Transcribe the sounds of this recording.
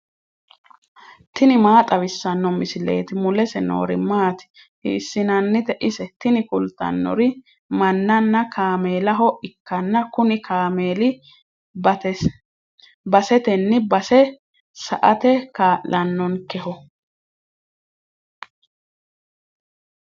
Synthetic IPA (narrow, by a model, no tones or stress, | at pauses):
t̪ɪnɪmaːt̪ʼɐβɪsːɐnːɔmɪsɪle̞̰ːt̪ɪmʊlɛsɛno̰ːɾɪmaːt̪ɪ̥ | hḭːsːɪnɐnːɪt̪ɛʔɪsɛt̪ɪnɪkʊlt̪ːɐ̰nːɔ̰ɾɪ | mɐnːɐnːɐkʰaːmeːlɐɦɔʔɪkːɐnːɐkʊnɪkʰaːmeːlɪ | bɐsɛt̪ɛnːɪbɐsɛ | sɐ̰ʔɐt̪ɛkaːʔlɐnːɔnkɛhɔ